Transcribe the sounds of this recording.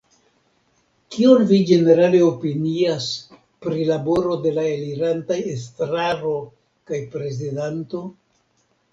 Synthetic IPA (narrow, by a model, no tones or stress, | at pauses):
kionvid͡ʒe̞ne̞ɾale̞o̞pinias | pɾilabo̞ɾo̞de̞laeliɾantajes̬tɾaɾo̞ | kajpɾe̞zidanto̞